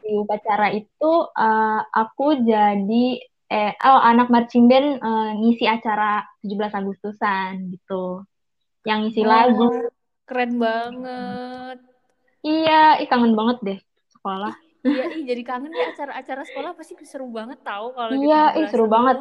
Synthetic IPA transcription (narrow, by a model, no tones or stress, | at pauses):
diupat͡ʃaɾait̪uəʔakud͡ʒadi | əʔəʔanak̚mart͡ʃimbɛnəŋisiat͡ʃaɾat̪ud͡ʒublasaɡust̪usanɡit̪u | jaŋːisilaɡu | kɾɛnbaŋət̪̚ | ijaɪhkaŋənbaŋət̪̚dɛh | sə̥kolah | jaihd͡ʒadikaŋənaat͡ʃaɾaːt͡ʃaɾasə̥kolahpasisəɾubaŋət̪ːaukaloijaʔisəɾubaŋət̪̚